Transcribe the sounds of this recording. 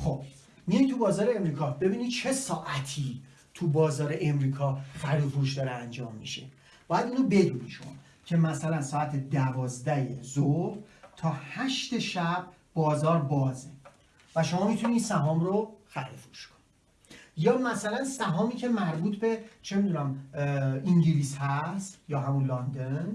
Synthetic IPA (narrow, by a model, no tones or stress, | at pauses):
χob̥ | mijɒjt̪ʰubɒːzɒːɾeemɾiːkʰɒːbe̞biːnid̪̥̚t͡ʃʰe̞sɒːʔæt̪ʰiː | t̪ʰubɒːzɒːɾeʔemɾiːkʰɒːxæɾofoɾuʃd̪ɒːɾeænd͡ʒɒːmːḭʃe̞̰ | b̥ɒːjæd̪uːɾobe̞d̪uːniʃo̰mɒ̰ | cʰe̞mæsælænsɒːæt̪ʰed̪ævɒːzd̪æjezoɾt̪ʰɒːhæʃt̪eʃæb̥̚ | bɒːzɒːɾbɒːze | væʃo̞mɒːmit̪ʰuniiːsæɦɒːmɾoxæɾefoɾuʃkʰo̥ni | jɒːmæsælænsæɦɒːmiːcʰe̞mæɾbuːt̪ʰbe̞t͡ʃʰe̞mid̪unæm | iŋɟiliːshæst̪jɒːɦæmunlɒnd̪en